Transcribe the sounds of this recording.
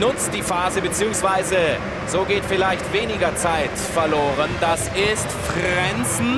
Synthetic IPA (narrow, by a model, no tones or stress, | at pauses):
nʊt͡std̥iːfaːzəbət͡siːʊŋsv̥aɪzə | z̥oːɡeːtfɪlaɪçtv̥eːnɪɡɐt͡saɪtfɛɐloːʁənd̥asɪstfʁɛnt͡sn̩